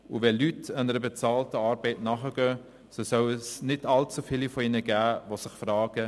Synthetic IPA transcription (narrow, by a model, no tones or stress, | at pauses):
uvɛlytʰɑnəɾəbet͡sɑːltəɑːɾbɛɪtnɑχəɡ̥œː | sosœwsnɪdɑlt͡sufɪlifɔɪnəɡæːvosɪχfrɑːɡ̥ə